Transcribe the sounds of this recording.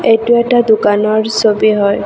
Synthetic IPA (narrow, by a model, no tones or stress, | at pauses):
ejtʊɛtadukanɔɹsobiɦɔj